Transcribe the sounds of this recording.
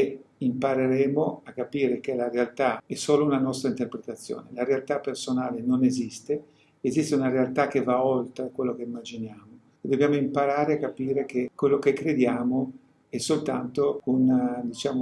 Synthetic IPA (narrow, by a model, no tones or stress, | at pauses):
impaɾeɾɛːmoakːapiːɾek̟elaɾealt̪aɛsoːlounanɔst̪ɾaint̪erpɾet̪at̪sːjo̰ːnḛlaɾealt̪apːersonaːlenonezist̪e | ezist̪eunaɾealt̪ak̟evaolt̪ɾekwelːokeimːad͡ʒinjaːmo | ed̪objaːmoimpaɾaːɾeakːapiːɾek̟ekwelːokekːɾed̪jaːmo | ɛsːolt̪ant̪ound̪it͡ʃaːmo